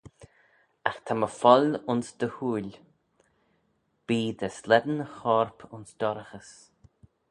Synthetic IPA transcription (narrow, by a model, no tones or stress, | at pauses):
axt̪ʰaməfɔlʊnsd̪əhuːlʲ | b̥iːd̪əslɛd̪ənəxɔːɹpʰʊnsd̪̥ɔɾəxəs